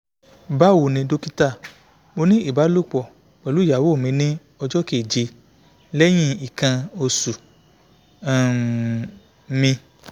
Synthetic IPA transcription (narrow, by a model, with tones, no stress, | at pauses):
ba˦wo˨nĩ˧do˦ki˦ta˦˨ | mo˧nĩ˦ʔi˦˨ba˨˦lu˦˨k͡pɔ˨ | k͡pɛ˨lu˨˦ja˨wo˦˨mĩ˧nĩ˦ | ɔ˧d͡ʒɔ˦ke˨d͡ʒe˧ | lɛ˦j̃ĩ˦i˨kã˧o˧su˨ | mĩ˧